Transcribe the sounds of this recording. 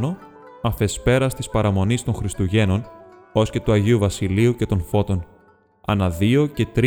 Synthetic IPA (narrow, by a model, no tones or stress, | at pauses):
no̞ | ɐfe̞spe̞ɾɐst̪ispɐɾɐmo̞nist̪o̞nxɾist̪uʝe̞no̞n | o̞sce̞t̪uɐʝiuvɐsiliuce̞t̪o̞nfo̞t̪o̞n | ɐ̰nɐðio̞ce̞t̪ɾ